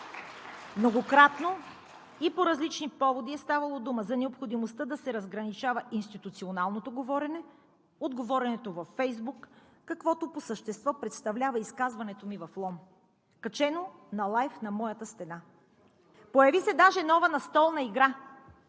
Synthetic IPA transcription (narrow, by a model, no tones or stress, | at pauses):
mnoɡokɾat̪no | ipoɾɐzlit͡ʃnipɔvod̪iɛst̪avɐlˠod̪uməzɐnɛopxod̪imost̪əd̪ɐsɛɾɐzɡɾɐnit͡ʃavɐʔinst̪it̪ut̪sionalˠnot̪oɡovɔɾɛnɛ | od̪ɡovɔɾɛnɛt̪ovɐfːɛjzbukː | ɐkvɔt̪oposəʃt̪ɛst̪vɔpɾɛt̪st̪ɐvlʲavɐiskazvɐnɛt̪omivɐflˠɔm | kɐt͡ʃɛnonɐlˠajfnɐmɔjɐt̪əst̪ɛna | pojɐvisɛd̪aʒɛnɔvənɐst̪ɔlˠnɐiɡɾa